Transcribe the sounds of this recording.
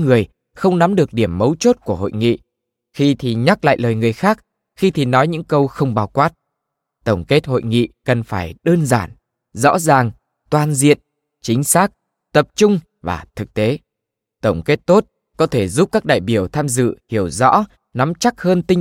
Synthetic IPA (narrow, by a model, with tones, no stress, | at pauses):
ŋɨ˨˩əj | xə˧wŋ͡mna˨˦mɗɨ˨˩ək̚ɗi˧˩əmːə˨˦wt͡ɕo˦˥t̚ku˧˩əɦo̰˧˨jŋḭ˧˨ | xi˧t̪ʰi˨˩ɲa˦˥k̚la̰ː˧˨jləː˨˩jŋɨ˨˩əjxaː˦˥k̚ | xi˧t̪ʰi˨˩nɔ˨˦jɲɨ̰˧˥ŋkə˧wxə˧wŋ͡mɓaː˨˩wkwaː˦˥t̚ | t̪ə˧˩wŋ͡mke˦˥t̚ho̰˧˨jŋḭ˧˨kə˨˩nfaː˧˩jɗəː˧nzaː˧˩n | zɔ̰˧˥zaː˨˩ŋ | t̪waː˨˩nzḭ˧˨ən | t͡ɕï˨˦ŋ̟saː˦˥k̚ | t̪ə˨˩p̚t͡ɕʊ˧ŋ͡m | vaː˨˩t̪ʰɨ˨˩k̚t̪e˨˦ | t̪ə˧˩wŋ͡mke˦˥t̚t̪o˦˥t̚ | kɔ˨˦t̪ʰe˧˩zu˦˥p̚kaː˦˥k̚ɗa̰ː˧˨jɓi˧˩əwt̪ʰaː˧mzɨ̰˧˨hi˧˩əwzɔ̰˧˥ | na˨˦mt͡ɕa˦˥k̚həː˧nt̪i˧ŋ